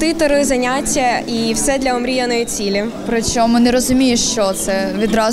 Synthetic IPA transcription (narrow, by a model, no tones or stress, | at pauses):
t̪ɪt̪ɔɾɔzɐnʲatʲːɐiwsɛd̪lʲɐɔmɾʲijɐnɔjit͡sʲilʲipɾɔt͡ʃʲɔmʊnɛɾɔzʊmʲijeʃt͡ʃɔt̪sɛʋʲid̪ɾɑ